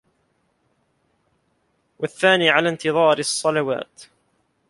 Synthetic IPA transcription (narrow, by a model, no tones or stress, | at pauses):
waθːaːniːʕalaːnt̪ɨðˤɑːɾsˤːɑlawa̰ːt̪